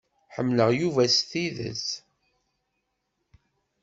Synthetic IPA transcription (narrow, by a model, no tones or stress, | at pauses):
ħəmːləʁjuvæsθiðə̰s